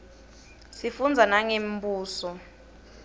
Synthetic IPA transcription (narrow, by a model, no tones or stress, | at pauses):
sifund͡zʱanaŋembuːsɔ